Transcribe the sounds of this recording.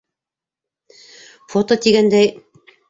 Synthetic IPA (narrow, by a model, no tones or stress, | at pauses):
fot̪ot̪iɡænd̪æj